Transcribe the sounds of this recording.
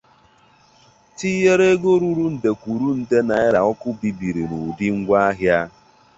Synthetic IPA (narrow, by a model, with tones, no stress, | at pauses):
ti˦je˦ɾe˦ɡo˦ɾu˦ɾu˦n̩˨de˨kʷu˨ɾu˦n̩˨de˦na˨ɪ˦ɾa˨ɔ˦kʊ˦bi˨bi˨ɾi˨nu˨di˦ŋ̩˦ɡʷa˦a˦ɦja˦